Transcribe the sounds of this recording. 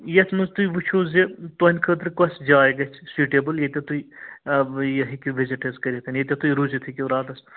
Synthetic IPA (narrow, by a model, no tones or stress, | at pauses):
jɐt̪ʰmuzt̪uiʋut͡ʃʰoːzet̪onʲkʰət̪ɾkɐsd͡ʒaːeɡɐt͡ʃʰsuːʈeːbəljet̪ʲet̪ui | jɐɦikiʋɪziʈɐzkɐɾʲit̪ʰɐnjet̪ʲet̪uiɾuːzet̪ʰikʲeɾaːd̪ɐs